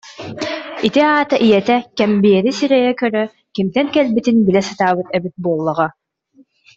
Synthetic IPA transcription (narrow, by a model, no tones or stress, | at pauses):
it̪iaːt̪ɯʔijɛt̪ɛkɛmbijɛɾisiɾɛjɛkœɾœ | kimt̪ɛŋkɛlbit̪inbilɛsɯt̪aːbɯt̪ɛbit̪̚buɔlˠːɔʁa